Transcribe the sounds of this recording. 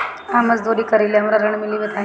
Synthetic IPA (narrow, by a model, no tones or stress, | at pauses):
amət͡sd̪oɽiːkəɾiliamɾaɾəɳmiliːʋet̪aɦ